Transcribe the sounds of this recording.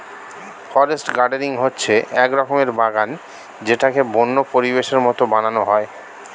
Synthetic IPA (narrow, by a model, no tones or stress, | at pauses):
fɔɾesʈɡaɖeɾiŋɦotːɕʰeɛkɾɔkomeɾbaɡan | d͡ʑeʈakebonːopoɾibeʃeɾmɔt̪obananoɦɔe